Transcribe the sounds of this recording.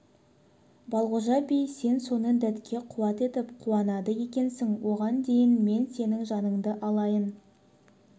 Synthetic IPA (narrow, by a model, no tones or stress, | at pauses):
bɑlˠʁʊʒɑbejse̞nso̞nəd̪æt̪kʲʰe̞qʰuwɑt̪e̞t̪ɪpqʰuɑnɑd̪əje̞kʲe̞nsɪŋwo̞ʁɑnd̪e̞jɪnme̞nse̞nɪŋʒɑnəɴd̪əʔɑlˠɑjən